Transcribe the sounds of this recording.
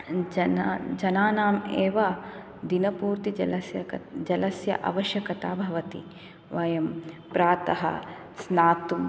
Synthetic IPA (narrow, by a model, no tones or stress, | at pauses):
d͡ʒɐnaːnaːmeːʋɐ | d̪inɐpuːɾt̪ilɐsjɐd͡ʒɐlɐsjɐ̰ʔɐ̰ʋɐʃjɐkɐt̪aːbʱɐʋɐt̪ḭ | ʋɐjɐmpɾaːt̪ɐɦɐ̰ | snaːt̪um